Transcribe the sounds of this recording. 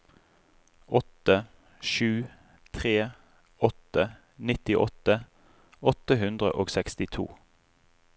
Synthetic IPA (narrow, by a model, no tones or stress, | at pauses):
ʔɔt̪ə | ʃʉː | t̪ʰʁeː | ɔt̪ə | nɪt̪ɪʔɔt̪ə | ɔt̪əɦʉnd̪ʁə̰ʔoːɡsɛkst̪ɪt̪ʰṵː